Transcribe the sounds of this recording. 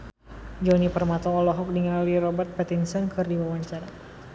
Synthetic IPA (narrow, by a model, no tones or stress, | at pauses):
d͡ʒɔnipərmat̪ɔɔlɔɦɔk̚diŋaliɾɔbərt̪̚pɛt̪insənkɨrdiwawaɲt͡ʃaɾa